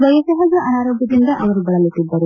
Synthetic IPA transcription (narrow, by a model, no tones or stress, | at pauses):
ʋɐjɐsɐɦɐd͡ʒɐʔɐnaːɾoːɡʱjɐd̪ind̪ɐʔɐʋɐɾubɐɭɐlit̪ːid̪ːɐɾu